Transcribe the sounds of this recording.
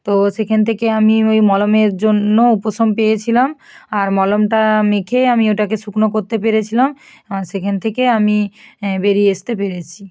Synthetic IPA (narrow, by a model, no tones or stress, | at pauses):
t̪oʃekʰant̪ʰekeamiojmɔlomeɾd͡ʑonːoupoʃompejet͡ɕʰilam | aɾmɔlomʈamekʰeamioʈakeʃuknokoɾt̪epeɾet͡ɕʰilam | ʃekʰanet̪ʰekeamibeɾieʃt̪epeɾet͡ɕʰi